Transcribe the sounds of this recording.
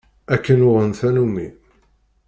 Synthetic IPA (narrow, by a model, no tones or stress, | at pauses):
ækːənʊʁənθænumːi